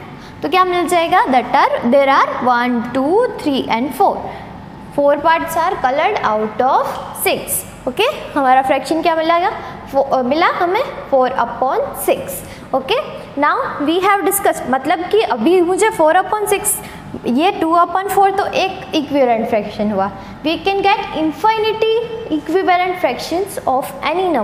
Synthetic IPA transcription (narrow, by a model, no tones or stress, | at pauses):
t̪okjaːmɪld͡ʒaːeːɡad̪ɛʈaɾd̪eːɾaːɾʋɐnʈuːt̪ʰɾiːʔɛ̃ɳɖfoːɾ | foːɾpaːʈt͡ʃaːɾkɐləɾɖa̰ːʊʈɔːfsɪks | oːkehɐmaːɾafɾɛkʃənkjaːmɪlaeɡa | mɪlaɦɐmẽfoːɾɐpɔːnsɪks | oːke | naːʊʋiːɦɛʋɖɪskəsʈmɐt̪ləb̚kiʔɐbʱimʊd͡ʒʱefoːɾɐpɔ̃ːnsɪks | jeʈuːɐpɔ̃ːnfoːɾt̪oʔeːk | ɪkʋiʋlə̃ɳʈfɾɛkʃə̃nɦua | ʋiːkɛ̃nɡɛʈɪ̃nfaɪnɪʈiɪkʋiʋələ̃ɳʈfɾɛkʃə̃nsɔːfɛ̰ninɐ̃m